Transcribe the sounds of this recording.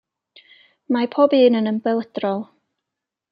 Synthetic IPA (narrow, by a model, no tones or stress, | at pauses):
mapʰɔbɨːnənəmbɛlˠədrɔlˠ